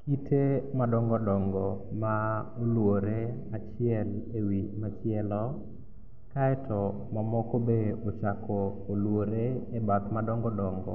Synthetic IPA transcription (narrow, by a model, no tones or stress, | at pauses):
kitʰemadɔŋɡɔdɔŋɡɔmaolwoɾe | at͡ʃɪɛlewimat͡ʃɪɛlɔ | kaɛtʰɔ | mamɔkobeot͡ʃakʰɔːlwoɾeːbat̪madɔŋɡɔdɔŋɡɔ̰